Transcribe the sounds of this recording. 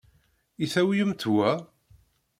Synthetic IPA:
iθæwjəmt̪wæ

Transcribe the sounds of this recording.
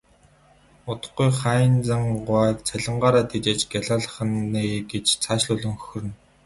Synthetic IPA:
ʊt̪ə̥̆χɡujχæːnt͡saŋɢʊæːkt͡sʰæɮə̆ɴɢaːɾaːt̪ʰet͡ɕeːt͡ɕɡʲaɮaːɮə̆χ̆neːɡet͡ɕt͡sʰaʃɮʊɮɵ̆ŋxɵxɵ̆rɘ̆n

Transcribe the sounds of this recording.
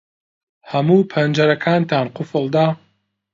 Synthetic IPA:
hɐmuːpʰɐnd͡ʒɐɾɐkʰaːnt̪ʰaːnqʊfɨlˠd̪aː

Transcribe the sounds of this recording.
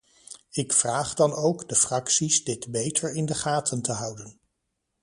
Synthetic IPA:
ɪkfraːχdɑnowɡdəfrɑksizdɪtbejtʰəɹɪndəχaːtʰəntəɦʌwdən

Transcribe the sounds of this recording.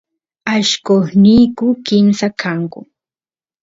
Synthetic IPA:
aʃkoχnijkʊkɪmsakʰaŋkʊ

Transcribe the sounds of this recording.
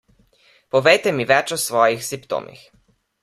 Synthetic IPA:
pɔʋɛjt̪ɛmiʋɛt͡ʃɔsʋɔːjixsimpt̪o̰ːmʔḭx

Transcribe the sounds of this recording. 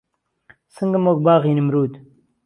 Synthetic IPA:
sɨŋɡəmok̚baːɣiːnimɾuːd̪

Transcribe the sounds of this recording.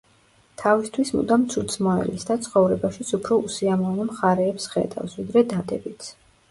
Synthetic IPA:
t̪ʰavist̪ʰwismṵd̪amt̪sʰut̪smɔɛ̰lisd̪at̪sʰχɔvɾɛbaʃit̪sʰupʰɾɔusiamɔvnɛmχaɾɛːpsχɛ̰d̪a̰vsvid̪ɾɛd̪ad̪ɛbit̪sʰ

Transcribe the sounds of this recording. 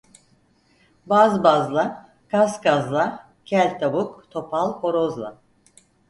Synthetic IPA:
bazbazlˠa | kʰaskazlˠa | cʰælʲt̪ʰabukt̪ʰo̞pʰalˠo̞ɾozlˠa

